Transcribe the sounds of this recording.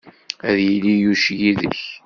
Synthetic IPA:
æðjilijuʃjiðə̰ç

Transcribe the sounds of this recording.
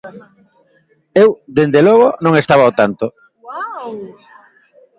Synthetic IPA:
ewd̪end̪elɔɣ̞onõŋest̪aβaot̪ant̪o

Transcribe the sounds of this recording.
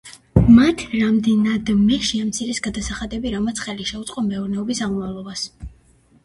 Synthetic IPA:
mat̪ʰɾamd̪ɛnad̪mɛʃiamt̪sʰiɾɛsɡad̪asaχad̪ɛbiɾamat̪sʰχɛliʃɛut̪sʼqʼɔmɛɔɾnɛɔbisamɔmavlˠɔbas

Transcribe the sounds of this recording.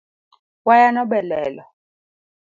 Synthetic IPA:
wajanɔɓɛlɛːlɔ

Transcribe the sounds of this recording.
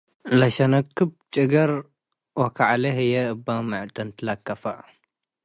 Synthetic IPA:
lɐʃɐnɐkʰːɨb̚t͡ʃʼɨɡɐɾ | wɐkʰaʕlɐɦɨjɛʔɨbːamɨʕt̪ʼɐnt̪ʰɨlɐkːɐfɐʔ

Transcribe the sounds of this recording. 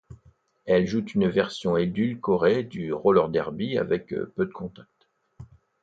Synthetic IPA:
ɛlʒut̪ynvɛʁsjɔ̃ed̪ylkɔʁed̪yʁolœʁd̪ɛʁbia̰vɛkpød̪əkɔ̃t̪ak̚t̪

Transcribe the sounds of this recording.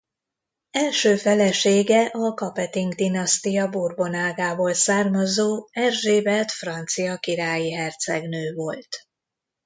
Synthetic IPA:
ɛlʃøːfɛlɛʃeːɡɛʔɒkɒpɛt̪iŋɡd̪inɒst̪ijɒburbo̞naːɡaːboːlsaːrmɒzoːɛrʒeːbɛt̪frɒnt̪sijɒkiɾaːjiɦɛrt̪sɛɡnøːvo̞lt̪

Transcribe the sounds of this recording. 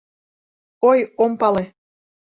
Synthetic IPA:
ojompɑle

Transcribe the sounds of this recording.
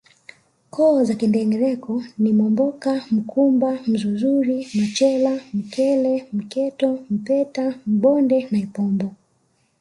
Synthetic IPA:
kʰɔːzakindɛŋɡɛɾɛkɔnimɔmbɔkam̩kʰumbam̩zuzuɾinat͡ʃɛlam̩kɛlɛm̩kɛtɔm̩pɛtam̩ɓɔndɛnaipɔmbɔ

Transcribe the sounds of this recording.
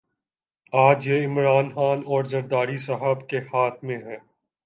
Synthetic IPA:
aːd͡ʒjeɪmɾaːnxaːnɔːɾzɐɾd̪aːɾisɐɦəbkehaːt̪ʰmẽɦɛ̃ː

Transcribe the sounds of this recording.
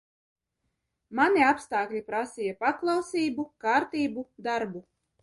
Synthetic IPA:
manʲiapst̪aːklʲipɾasʲijapaklˠɑwsʲiːbukaːɾt̪iːbud̪aɾbu

